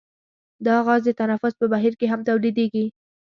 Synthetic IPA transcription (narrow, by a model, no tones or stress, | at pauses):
d̪ɑɣɑzd̪ət̪anafʊspəbaɦiɾkeɦamt̪awlid̪eɡi